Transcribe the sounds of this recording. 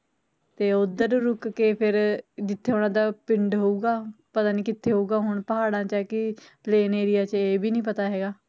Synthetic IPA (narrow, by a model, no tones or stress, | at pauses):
t̪eːʊd̪əɾɾʊkkeːpʰɪɾd͡ʒɪt̪ʰːeːoːñãːd̪aːpɪɳɖɦoːuːɡaːpət̪aːnĩːkɪt̪ʰːeːɦouːɡaːɦʊɳpəɦaːɽãːt͡ʃɛːkɪpleːneːɾɪjaːt͡ʃeːbʱiːnĩːp̬ət̪aːɦɛːɡaː